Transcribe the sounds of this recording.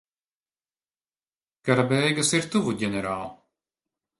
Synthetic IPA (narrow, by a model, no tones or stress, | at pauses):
kaɾabɛjɡɐsiɾt̪uvuɟʲɛnʲɛɾaːlˠ